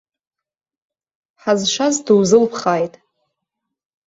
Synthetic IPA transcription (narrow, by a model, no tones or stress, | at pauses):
ħazʃʷazduwzɨlpʰχaːjtʼ